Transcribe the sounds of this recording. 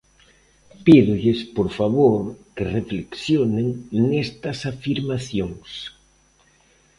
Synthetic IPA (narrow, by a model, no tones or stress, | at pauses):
piðuʎespoɾfaβoɾkerefleksjoneŋnest̪ɐsafiɾmaθjoŋs